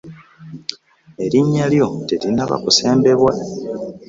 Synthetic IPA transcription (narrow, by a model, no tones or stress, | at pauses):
e̞ɾiɲːaljo̞telinaβa̰kuse̞ːmbe̞βwa